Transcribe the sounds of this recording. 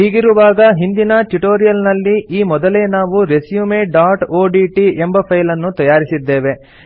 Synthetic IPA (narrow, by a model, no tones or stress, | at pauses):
ɦiːɡiɾuʋaːɡɐɦind̪inɐʈuʈoːɾijɐlnɐlːiiːmɔd̪ɐle̞ːnaːʋuɾe̞sjumeːɖaːʈoːɖiːʈiembɐpʰɐjlɐnːut̪ɐjaːɾisid̪ːe̞ːʋe̞